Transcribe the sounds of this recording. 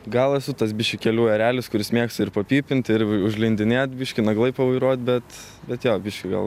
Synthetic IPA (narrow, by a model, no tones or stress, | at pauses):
ɡɐlˠɛsʊt̪ɐs̬bʲɪʃʲkʲɪkʲɛlʲuːɛɾʲæːlʲɪskʊɾʲɪsmʲiɛkst̪ɐɪɾpɐpʲiːpʲɪnt̪ɪɾʊʒʲlʲɪnʲd̪ʲɪnʲeːt̪bʲɪʃʲkʲɪnɐɡlˠɐɪpɐʋɐɪɾuɔt̪̚bʲɛt̪ | bʲɛt̪joːbʲɪʃʲkʲɪɡɐ̰lˠ